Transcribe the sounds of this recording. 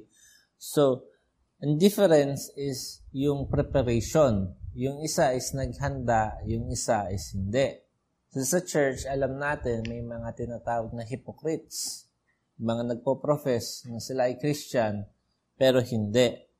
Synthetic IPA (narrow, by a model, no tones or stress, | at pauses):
so | ʔɐnd̪ɪfɛɾɛnsɪsjʊŋpɾɛpɐɾejʃonjʊŋɪsaʔɪsnɐɡ̚hɐnd̪aʔjʊŋɪsaʔɪshɪnd̪ɛʔ | sosɐt͡ʃɛɹt͡ʃɐlamnaːt̪ɪnmɐjmɐŋat̪ɪnaːt̪aːwɐɡ̚nɐɦɪpokɾɪt̪̚s | mɐŋanɐɡ̚popɾofɛsnɐsɪlaɐjkɾist͡ʃan | pɛːɾo̞ɦɪnd̪ɛʔ